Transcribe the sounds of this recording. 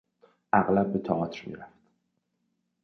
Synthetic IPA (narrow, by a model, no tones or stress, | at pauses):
ʔæɣlæb̚ːet̪ʰɒɒːt̪ʰɾmḭːɾæft̪